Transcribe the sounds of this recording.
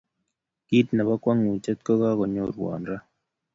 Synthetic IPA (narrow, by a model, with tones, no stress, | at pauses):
ki˦tna˨βa˦kwa˦ŋu˨t͡ʃɛ˦t̪̚kɔ˦ɣa˦ɣɔ˨ɲɔ˦˨ɾwa̰ː˨nɾa˦